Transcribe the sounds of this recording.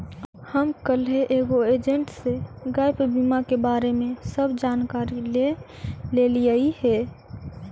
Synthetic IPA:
həmkəlɦeʔeːɡoeːd͡ʒə̃ɳʈseɡaːɪpbimakebaːɾemẽsəbd͡ʒaːnkaːɾile | leliaihɛː

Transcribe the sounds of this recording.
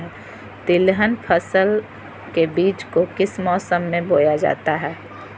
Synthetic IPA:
ɛ | t̪ɪlɦənpʰəsəl | kebiːt͡ʃkokɪsmɔːsəmːẽboːjad͡ʒa̰ːt̪aɦɛː

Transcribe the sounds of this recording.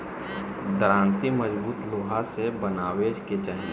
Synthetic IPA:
d̪əɾãːnt̪iməd͡ʒbuːt̪loːɦasebənaːweːd͡ʒket͡ʃən

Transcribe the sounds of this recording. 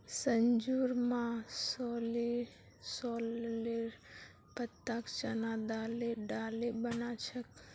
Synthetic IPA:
sənd͡ʒuɾmãsɔli | sɔlleɾ | pət̪ːakt͡ʃənad̪aleɖaːlebənat͡ʃʰək

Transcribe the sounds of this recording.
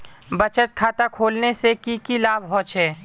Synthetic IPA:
bət͡ʃət̪̚kʰaːt̪akʰoːlnesekikilaːbɦɔ̃ːt͡ʃɦɛː

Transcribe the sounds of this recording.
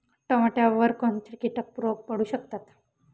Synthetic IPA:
ʈɔmaʈeəʋəɾkɔnt͡ɕkiʈək̚pɾoɡ̚pəɽuːɕək̚t̪at̪

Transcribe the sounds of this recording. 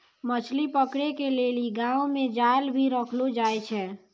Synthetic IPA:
mət͡ʃʰlipəkɽekeleliɡãõmẽd͡ʒalbʱiɾəkʰlod͡ʒaːjt͡ʃʰɛ

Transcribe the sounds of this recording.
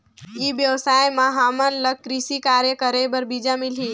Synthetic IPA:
iʋjəʋsajmãɦamənlək̚kːɾisikaɾjekəɾebəɾbid͡ʒamili

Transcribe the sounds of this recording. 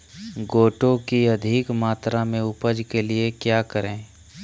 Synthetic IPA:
ɡoːʈõkiɐd̪ʱɪkmaːt̪ɾamẽʊpəd͡ʒkeliekjaːkəɾẽː

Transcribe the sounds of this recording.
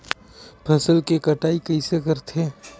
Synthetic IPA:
pʰɐsəlkekɐʈaːikɐɪsekəɾt̪ʰeː

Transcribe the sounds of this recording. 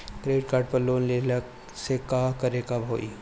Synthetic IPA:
ʈɾeːɖkaːɾɖpɐɾloːnlelɐ | sekaːkɐɾekabʱo̰ːḭ

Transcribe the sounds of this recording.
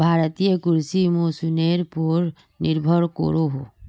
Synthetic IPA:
bʱaɾt̪ijəkuɾsimosuneɾpɔɾ | niɾbʱɔɾkɔ̰ɾoɦo

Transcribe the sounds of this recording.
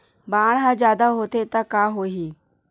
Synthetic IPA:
baɳɦãd͡ʑjad̪aɦot̪et̪akaɦoɦiː

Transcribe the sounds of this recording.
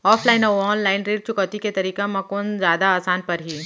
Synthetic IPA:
ɔːpʰlaːɪnɔːʋɔːnlaːɪnɾiːɾt͡ʃʊkɔːt̪iket̪ɐɾiːkamɐkoːnzjaːd̪aaːsaːnpɐɾɦiː

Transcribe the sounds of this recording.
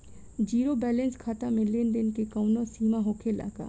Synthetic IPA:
d͡ʒiːɾobɛːlɛ̃nskʰaːt̪amẽlɪnɖənkekəʊnosiːmaɦoːkʰela̰ːka̰ː

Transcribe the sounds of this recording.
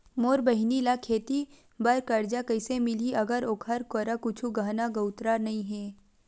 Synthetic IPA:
moːɾbɐɦnilakʰeːt̪i | bɐɾkɐɾd͡ʒakɐɪsemɪliʔɐɡəɾoːkʰəɾkoɾakʊt͡ʃʰuɡaɦnaɡɐwt̪ɾanɐɦĩɦɛː

